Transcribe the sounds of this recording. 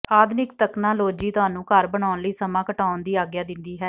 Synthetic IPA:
aːd̪nɪkt̪əknãːloːd͡ʒiːt̪ʊɦaːnũːkəɾbəɳ̃aːnləiːsəmãːkəʈaːʊnd̪iːaːɡjaːd̪ɪnd̪iːɦɛː

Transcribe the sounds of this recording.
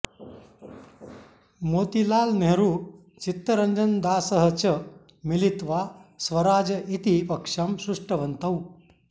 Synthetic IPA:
moːt̪ilaːlmeɦɾu | t͡ʃit̪ːɐɾɐɲd͡ʒɐnd̪aːsɐɦət͡ʃɐ | milit̪ʋasʋɐɾaːd͡ʒɐʔit̪ipɐkʂɐmsɾuʂʈɐʋɐnt̪ɐw

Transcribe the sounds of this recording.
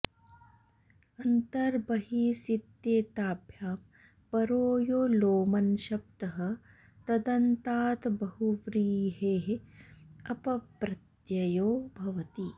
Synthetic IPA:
ɐnt̪ɐɾbɐɦisit̪jeːt̪aːbʱjaːm | pɐɾoːjoːloːmɐnʃɐp̚t̪ɐɦɐ̆ | t̪ɐd̪ɐnt̪aːt̪bɐɦuʋɾiːɦeːɦe | ɐpɐpɾɐt̪jɐjoːbʱɐʋɐt̪i

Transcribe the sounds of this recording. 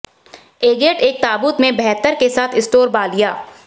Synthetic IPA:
eːɡeːʈeːk̚t̪aːbuːt̪mẽbɛɦt̪əɾkesaːt̪ʰɪsʈoːɾbaːlijaː

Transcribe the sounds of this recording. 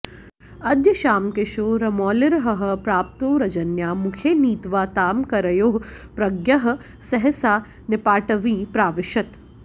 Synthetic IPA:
ɐd̪jɐʃaːmkɪʃoːɾɐmɔːlɪɾɐɦɐɦɐ̆pɾaːp̚t̪oːɾɐd͡ʒɐnjaːmukʰeːniːt̪ʋaːt̪aːmkɐɾɐjoːɦpɾɐɡjɐɦɐ̆ | sɐɦɛsaː | nɪpaːʈɐʋĩːpɾaːʋɪʃɐt̪

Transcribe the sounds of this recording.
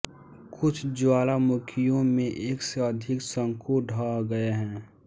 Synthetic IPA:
kʊt͡ʃʰd͡ʒʊaːlamʊkʰijõmẽʔeːkseəd̪ʱɪksə̃ŋkʰoɖʱaɡəeɦɛ̃ː

